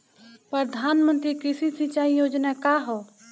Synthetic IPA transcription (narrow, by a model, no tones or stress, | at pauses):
pɾəd̪ʱaːnmə̃nt̪ɾikɪsisɪt͡ʃaːijoːd͡ʒnakaɦoː